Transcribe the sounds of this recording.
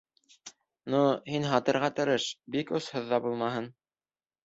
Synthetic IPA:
nuhinɦɑt̪ɤ̆ɾʁɑt̪ɤ̆ɾɤʃbikoshɤ̆ðːɑbulˠmɑɦɤn

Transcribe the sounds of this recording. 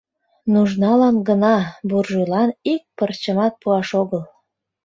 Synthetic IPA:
nuʒnɑlɑnɡənɑburʒylɑnik̚pərt͡ɕəmɑt̪̚puɑʃoɣəl

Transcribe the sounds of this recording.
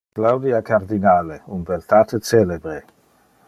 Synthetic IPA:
klawd̪iakaɾd̪inaːleunbelt̪at̪et͡selebɾe

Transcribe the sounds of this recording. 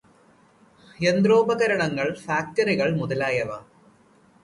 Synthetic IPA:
end̪roːbɐɣɐɾɐɳɐŋːɐɭfaːk̚tɐriɣɐɭmuðɐlaːjɐʋa̰

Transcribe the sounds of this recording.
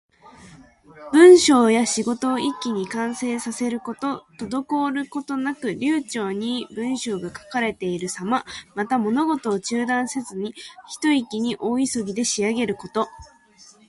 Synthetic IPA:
b̥ɯ̟̃ɰ̃ɕo̞ːjaɕiɡo̞t̪o̞ikʲːiɲ̟ikãɰ̃se̞ːsase̞ɾɯ̟ko̞t̪o̞t̪o̞d̪o̞ko̞ɾɯ̟ko̞t̪o̞nakɯ̟ɾʲɨːt͡ɕo̞ːɲ̟ibɯ̟̃ɰ̃ɕo̞ːɡakḁkaɾe̞t̪e̞iɾɯ̟samamat̪amo̞no̞ɡo̞t̪o̞ːt͡ɕɨːd̪ãɰ̃se̞zɨɲ̟içi̥t̪o̞ikʲiɲ̟iʔo̞ːisoɡʲid̪e̞ɕiaɡe̞ɾɯ̟ko̞t̪o̞

